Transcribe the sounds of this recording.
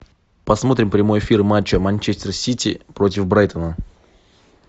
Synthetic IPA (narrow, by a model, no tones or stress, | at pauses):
pɐsmo̞t̪ɾʲɪmpɾʲɪmo̞jɪfʲirmat͡ɕːəmanʲt͡ɕesʲtʲɪrsʲitʲḭpɾo̞tʲɪfbɾajt̪ənə